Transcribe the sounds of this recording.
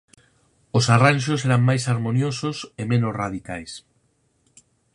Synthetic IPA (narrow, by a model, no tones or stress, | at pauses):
osaranʃ̬oseɾaŋmajsaɾmonjososemẽnosraðikajs